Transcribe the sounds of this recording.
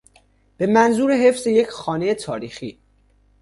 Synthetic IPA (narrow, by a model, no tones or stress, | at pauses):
b̥e̞mænzuːɾe̞ɦe̞fz̥e̞je̞cʰxɒːnejet̪ʰɒːɾiːxiː